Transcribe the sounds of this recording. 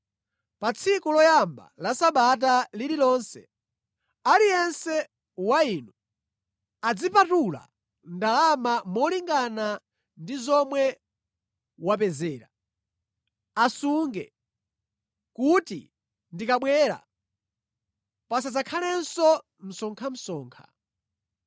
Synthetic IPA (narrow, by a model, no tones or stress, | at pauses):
pat͡sʰikulɔjamba̰lasaɓat̬alililɔnsɛ̰ | alijɛnsɛ | wainu | ad͡zipatula̰ | ndalamamɔliŋɡana | ndizɔmwɛ | wapɛzɛːɾa | asuŋɡɛ̰ | kutḭ | ndikaɓwɛːɾa̰ | pasad͡zakʰalɛnsɔ | m̩sɔŋkʰam̩sɔːŋkʰḁ̰